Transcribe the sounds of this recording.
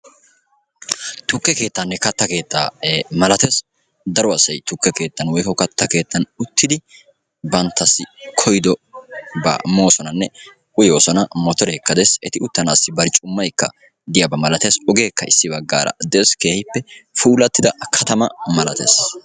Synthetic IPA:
t̪ʊkːɛke̞ːt̪ːɐnːɛkɐt̪ːɐke̞ːt̪ːa̰ːmɐlɐt̪eːs | d̪ɐɾɔɐsːɐjt̪ʊkːɛke̞ːt̪ːɐnwɔjkɔkɐt̪ːɐke̞ːt̪ʰːɐnʊt̪ːɪd̪ɪ | bɐnt̪ːɐsːɪkʰɔjd̪ɔbɐ̰mo̞ːsɔnɐnːɛ | ʊjoːsɔnɐmɔt̪ɔɾɛkːɐd̪esɛt̪ɪʊt̪ːɐnːsːɪbɐɾt͡ʃʼʊmːɐjkːɐ | d̪ɪjabɐmɐlɐt̪e̞ːsɔɡe̞ːkːɐɪsːɪbɐɡːa̰ːɾɐ̰d̪eːske̞ːhɪpːɛfuːlɐt̪ːɪd̪ɐkʰɐt̪ɐmɐmɐlɐt̪ḛːs

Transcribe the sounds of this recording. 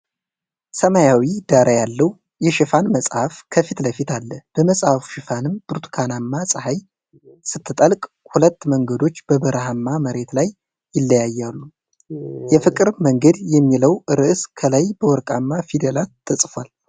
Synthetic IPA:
səmajawid̪aɾʔajalːəw | jɛʃɪfanməsʼhafkʰəfit̪ləfit̪ʰalːəb̥əməsʼhafu̥ʃɪfanɨmb̥ɨɾt̪kʰanamːasʼɨhaj | sɨt̪ʰːɨt̪ʼəlkʼ | hulət̪ːməŋɡəd̪o̞t͡ʃːb̥əbəɾʔɦamːaməɾe̞t̪lajː | ɪlːəjajːalːu | jɛfɨkʼɨɾməŋɡəd̪jɛmːiləwɨɾɨʔɨskʰəlajbəwɔɾkʼamːafid̪elat̪ʰːɨsʼfal

